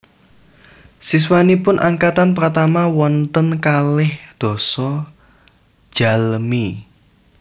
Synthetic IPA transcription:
sis̬wanipʊnʔaŋkat̪anpɾt̪amawɔnt̪ənkalɪhd̪̥ɔ̤sɔ | d͡ʒ̥a̤lmi

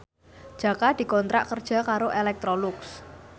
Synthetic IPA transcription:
ʒ̥ä̤kad̪̥i̤kɔnt̪ɾa̰ʔkərd̥ʒ̥ä̤kaɾoʔelɛk̚t̪ɾɔlʊks

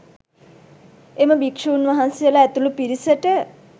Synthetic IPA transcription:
eməbikʂəunʋaɦansijəlaæt̪ulupiɾisəʈə

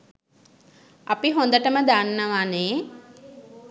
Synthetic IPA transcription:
apiɦond̪əʈəməd̪anːəʋane

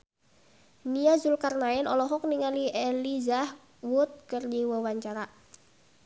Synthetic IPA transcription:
niazulkarnaɛnɔlɔɦɔk̚niŋalielizah | wʊt̪̚kərdiwəwaɲt͡ʃaɾaʔ

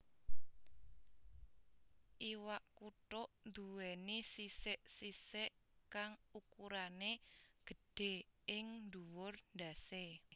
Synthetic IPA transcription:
ʔiwaʔkuʈʊʔnd̪uwɛnisisɪʔsisɪʔkaŋukuɾaneɡ̥ə̤ɖ̥e̤ɪŋnd̪uwʊrnd̪a̤se

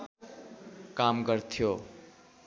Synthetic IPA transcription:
kamɡʌrt̪ʰijo

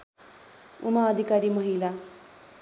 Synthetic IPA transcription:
ṵmaːd̪ʱikaːɾimɐɦila

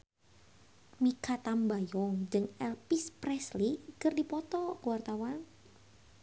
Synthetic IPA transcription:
mikʰat̪ambajɔŋd͡ʒɨŋɛlpispɾɛslikərdipɔt̪ɔkəwart̪awan

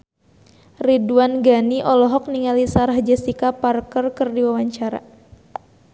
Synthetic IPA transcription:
riduanɡaniʔɔlɔɦɔk̚niŋalisaɾaɦd͡ʒɛsikaparkərkɨrdiwawaɲt͡ʃaɾa̰

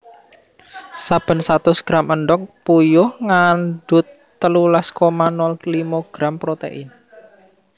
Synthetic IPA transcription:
sab̥ə̤nsat̪ʊsɡ̥ɾaməɳɖɔk̚pujʊhŋanɖ̥ʊ̤t̪ːəlulaskomanɔllimɔɡ̥ɾampɾot̪ḛʔɪn

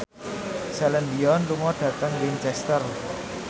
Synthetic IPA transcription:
sɛlɛnd̪iɔnluŋɔɖ̥ä̤t̪əŋwiɲt͡ʃɛst̪ər

